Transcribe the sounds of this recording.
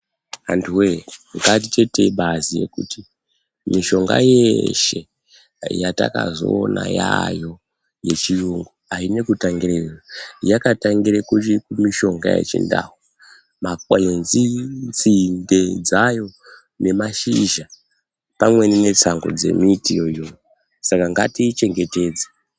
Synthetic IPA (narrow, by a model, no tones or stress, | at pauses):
antʰuweŋɡat̬ite̞te̞ɓʱazije̞̰kuti | miʃo̞ŋɡa̰jeʃe̞̰ | jata̰kazo̞ːna̰jajo̞ | je̞t͡ʃijuŋɡuaine̞kutaŋɡirerajakataŋɡiɾekut͡ʃikumiʃo̞ŋɡa̰jḛt͡ʃḭnda̰ːɦu | makwenzint͡sinde̞d͡zajo̞ | ne̞maʃiʒa | pamwe̞nine̞t͡saŋɡo̞̰d͡ze̞̰mitijojojo | sakaŋɡatiːt͡ʃe̞ŋɡe̞te̞ːd͡ze̥